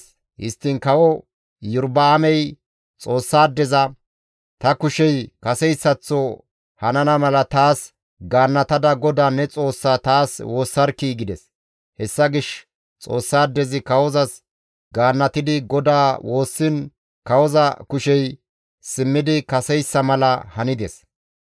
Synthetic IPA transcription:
hɪ̰st̪ːɪnkɐwɔ | jʊɾbɐːmɛj | t͡sʼo̞ːsːaːd̪ːɛzɐ | t̪ɐkʊʃɛjkɐsɛjsːɐt͡sːɔ | hɐnɐnɐmɐlɐt̪aːs | ɡaːnːɐt̪ɐd̪ɐɡɔd̪aːnɛt͡sʼo̞ːsːat̪aːswo̞ːsːɐɾkiːɡɪd̪ɛs | hɛsːɐɡɪʃ | t͡sʼo̞ːsːaːd̪ːɛzɪkɐwɔzɐs | ɡaːnːɐt̪ɪd̪ɪɡɔd̪aːwʔo̞ːsːɪn | kɐwɔzɐkʊʃɛj | sɪmːɪd̪ɪkɐsɛjsːɐmɐlɐ̰hɐnɪd̪ɛs

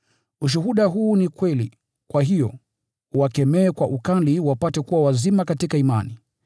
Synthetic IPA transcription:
uʃ̬uɦuɗaɦuːnikwɛlḭ | kwaɦijɔ̰ | uwakɛmɛːkwaʔukaliwapatɛkuwawazimakatikaima̰ni

